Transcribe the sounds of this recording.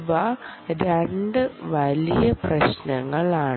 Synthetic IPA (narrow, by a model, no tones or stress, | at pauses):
ʋaɾeɳɖɨʋɐlijɐprɐɕnɐŋːɐɭaːɳ